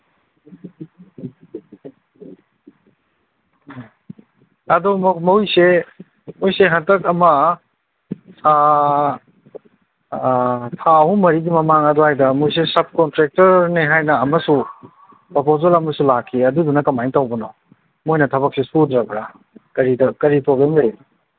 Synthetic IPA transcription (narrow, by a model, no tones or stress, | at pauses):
ɐdummojse | mojseɦɐntɐkɐmɐ | sʰa | tʰaɦumɐɾiɡimɐmaŋɐduhajdɐmojs̬esɐb̚kontɾek̚tɐɾneɦajnɐːmɐsu | popozelɐmɐsulakʰːiɐdudunɐkɐmajntawbɐnɔ | mojnɐtʰɐβɐk̚sesudɾɐpʰɾa | kɐɾidɐkɐɾipɾoblemlej